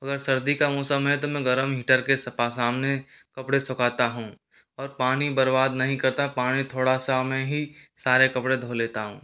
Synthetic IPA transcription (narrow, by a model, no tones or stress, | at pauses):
ɐɡəɾsɐɾd̪ikamɔːsəmɦɛt̪omɛ̃ɡɐɾəmɦɪʈəɾkesɐpasaːmne | kɐpɽesʊkaːt̪aɦũː | ɔːɾpaːnibɐɾbaːd̪nɐɦĩkɐɾt̪apaːɽ̃it̪ʰoːɽasamɛ̃ɦisaːɾekɐpɽed̪ʱoːleːt̪aɦũː